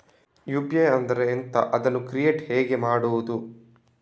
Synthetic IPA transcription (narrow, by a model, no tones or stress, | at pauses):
jubjeɐnd̪ɐɾeːnt̪ɐʔɐd̪ɐnːukɾijeːʈhɛːɡe̞maːɽuʋud̪u